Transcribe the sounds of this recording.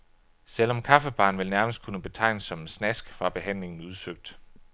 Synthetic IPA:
sel̰ɒ̽mkʰɑ̈fəb̥ɑ̈ːnʋe̝lnæɐməsd̥̚kʰunəb̥e̝t͡sʰɑ̈ɪ̰nəsːɒ̽mensnæsɡ̥fʁɑ̈b̥e̝ɦæn̰le̝ŋn̩uð̞ˠsøɡ̥̚d̥

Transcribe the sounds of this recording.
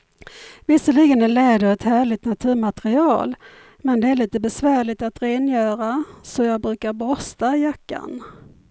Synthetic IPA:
vɪsːəliɡənæɭɛːd̪əɾɛt̪hæːɭɪt̪nat̪ʰʉ̟ːɾmat̪ɾɪɑːl | mɛnd̪ɛæɭiːt̪əbɛsvæːɭɪt̪at̪ɾeːnjœːɾasɔjɑːɡ̚bɾʉ̟ːkaɾbɾɔst̪aɪjakːa̰n

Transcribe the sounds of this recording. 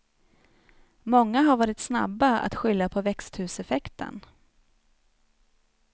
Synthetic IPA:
mɔŋːaɦaɾvɑːɾɪt̪sna̰bːaa̰t̪ɧʏljːapʰɔvɛkst̪hʉ̟ːsɛfɛkt̪ʰə̰n

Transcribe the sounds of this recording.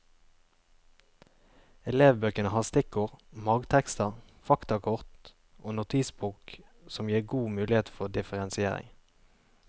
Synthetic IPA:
ɛleːʋbøːkənəhɑːʁst̪ɪkʊʁmɑːɡt̪ʰɛkst̪əʁfɑkt̪ɑkʰʊʁt̪ | ʔoːnʊt̪ʰiːsbuːk | sɔmjiːʁɡuːmʉːlɪheːt̪fɔd̪ɪfəʁɛnsɪeːʁɪ̰ŋ

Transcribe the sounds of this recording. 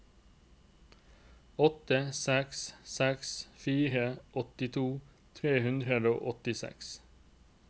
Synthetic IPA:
ɔt̪əsɛkssɛksfiːɾəʔɔt̪ɪt̪ʰuː | t̪ʰʁeːhʉnd̪ʁəd̪o̰ːʔɔt̪ɪsɛ̰ks

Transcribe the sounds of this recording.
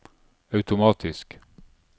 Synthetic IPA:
œʉt̪ʊmɑːt̪ʰɪsk

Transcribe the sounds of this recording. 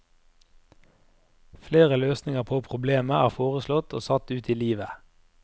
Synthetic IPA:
fleːʁəløːsnɪŋəʁpʰoːpʰʁʊbleːməʔæːʁfoːʁəslɔt̪ʰo̰ːsɑt̪ʉːt̪ʰiːliːʋə

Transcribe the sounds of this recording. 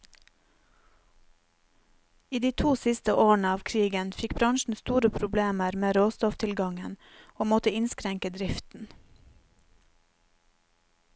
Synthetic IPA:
iːd̪iːt̪ʰuːsɪst̪əʔoːɳəɑːʋkʰɾiːɡənfɪkbɾɑŋʃɳ̩st̪uːɾəpʰɾʊbleːməɾmeːɾoːst̪ɔft̪ʰɪlɡɑŋən | oːmɔt̪əɪnskɾɛŋkəd̪ɾɪft̪n̩

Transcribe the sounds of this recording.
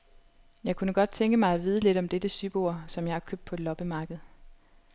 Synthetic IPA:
jɑ̈ɪkʰunəɡ̥ɒ̽d̥̚t͡sʰeŋɡ̥əmɑ̈ɪæʋiːð̞ˠəle̝ɾɒ̽md̥ed̥əsyb̥o̝ɐ̰sɒ̽mjɑ̈ɪɑ̈kʰøb̥̚d̥pʰɒ̽lɒ̽b̥əmɑ̈ːɡ̥ð̞̩ˠ

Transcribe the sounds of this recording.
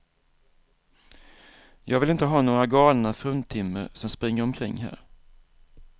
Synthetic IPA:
jʔɑːɡvɪlɪnt̪əɦɑːnoːɾaɡɑːlnafɾɵnt̪ʰɪmːə̰ɾsɔmspɾɪŋːəɾɔmkʰɾɪŋːɦæ̰ːɾ

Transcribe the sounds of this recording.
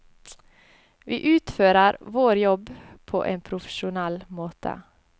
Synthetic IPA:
ʋḭːʔʉːt̪føːɾəɾʋoːɾjɔbpʰo̰ːʔeːnpʰɾʊfə̥ʂʊnɛlmoːt̪ʰə̰

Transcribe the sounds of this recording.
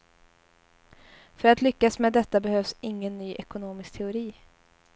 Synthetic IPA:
fœɾat̪lʏkːasmɛd̪ɛt̪ːabɛhøːvsɪŋːənːyːʔɛkʊnoːmɪsk̚t̪ʰɛʊɾiː

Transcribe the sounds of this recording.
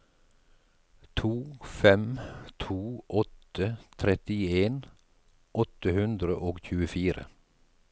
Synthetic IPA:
t̪ʰuːfɛmt̪ʰuːʔɔt̪ət̪ʰɾɛt̪ɪeːn | ʔɔt̪əhʉnd̪ɾəʔoːɡçʉːəfiːɾə̰

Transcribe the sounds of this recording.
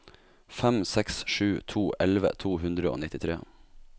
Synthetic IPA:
fɛmsɛksʂʉːt̪ʰuːʔɛlʋə̰t̪ʰuːɦʉnd̪ɾəo̰ːnɪt̪ɪt̪ʰɾḛː

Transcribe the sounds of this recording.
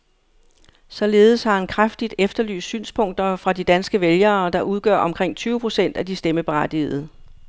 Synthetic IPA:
sɒ̽le̝ːð̞̩ˠəshɑ̈hænkʰʁafd̥id̥efd̥ɐly̰ːssy̰ːnspʰɔ̽ŋ̰d̥ɐfʁɑ̈d̥id̥ænsɡ̥əʋeljɐːd̥ɑ̈ʔuð̞ˠɡ̥ɶɐɒ̽mkʰʁeŋ̰t͡sʰyːʊəpʰʁo̝sen̰d̥æd̥isd̥eməb̥e̝ʁad̥ieð̩ˠ

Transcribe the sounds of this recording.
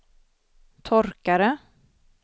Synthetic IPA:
t̪ʰɔɾkaɾə

